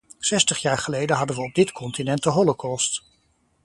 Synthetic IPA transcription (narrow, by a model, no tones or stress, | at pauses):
sɛstəχjaːɹχəlejdənɦɑdənʋəɔb̚dɪtkʰɔntinɛnt̚dəɦɔlokʰɔst